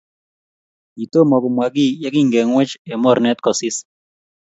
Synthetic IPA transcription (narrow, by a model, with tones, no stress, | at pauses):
i˨to˦mɔ˨kʊ˨mwa˨ɡi˦˨ja˦kɪ˦ŋɡɛ˨ŋwɛ˦t͡ʃɛ˨mɔ˦ɾnɛ˦t̪kɔ˨sɪ˦s